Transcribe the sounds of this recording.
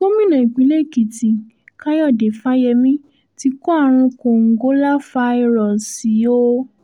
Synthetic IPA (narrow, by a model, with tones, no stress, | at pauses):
ko˦mĩ˦˨nã˨i˨k͡pi˨˦le˦˨ki˨ti˨ | ka˦jɔ˦˨de˨fa˦jɛ˧mĩ˦ | ti˧˦kɔ˦a˦˨ɾ̃ũ˧kõ˨ŋ̩˨ɡo˨˦la˦fa˧i˧ɾɔ˨si˨˦o˦